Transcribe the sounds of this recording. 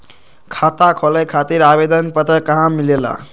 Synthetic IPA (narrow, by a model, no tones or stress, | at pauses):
kʰat̪akʰɔləjkʰat̪iɾabed̪ənpət̪ɾəkaɦãmːilela̰